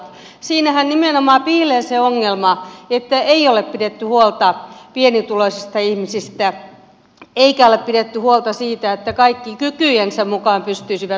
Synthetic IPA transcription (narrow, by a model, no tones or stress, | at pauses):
siːnæhænnimenomɑːpiːleːseoŋːelmɑet̪ːæeioleppidet̪ːyhuolt̪ɑpienit̪uloisist̪ɑihmisist̪æ | eikæoleppidet̪ːyhuolt̪ɑsiːt̪æet̪ːækɑikːikykyjensemmukɑːmpyst̪yisiʋæ